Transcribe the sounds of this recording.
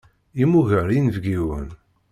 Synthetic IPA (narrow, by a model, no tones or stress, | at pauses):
imuʝəɾinvɡiwə̰n